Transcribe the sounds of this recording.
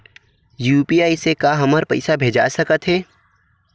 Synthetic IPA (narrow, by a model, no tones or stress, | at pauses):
juːpiaːisekaɦɐməɾpɐ̰ɪsabʱeːd͡ʒa̰səkət̪ɦɛː